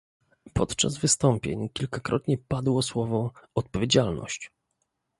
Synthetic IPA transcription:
pɔt̪t͡ʂa̰zvɘst̪ɔmpʲjḛɲkʲilkakɾɔt̪ɲɛpad̪wɔswɔvɔɔt̪̚pɔvʲjed͡ʑalnɔ̰ɕt͡ɕ

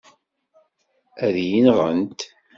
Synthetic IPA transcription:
æðjinʁə̰nt̪

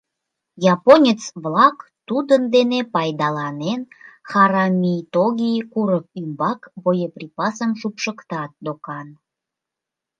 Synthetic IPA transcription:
jɑponʲet͡sβlɑkt̪ud̪ənd̪enepɑjd̪ɑlɑnenxɑɾɑmʲijt̪oɣʲijkuɾəkymbɑkbojeprʲipɑsəmʒupʃəkt̪ɑt̪̚d̪okɑn

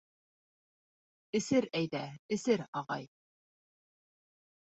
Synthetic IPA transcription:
ɘ̆sɘɾæjðæɘ̆sɘɾɑʁɑj

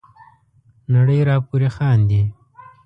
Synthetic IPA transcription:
naɽəjɾaːpuɾexɑːnd̪i

